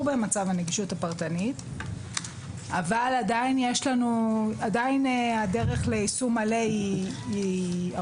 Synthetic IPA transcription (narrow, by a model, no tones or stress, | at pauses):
bemat͡savaneɡiʃutapaʁtanit | avaladainjeʃlanuadajineade̞ʁe̞χleisumaleiia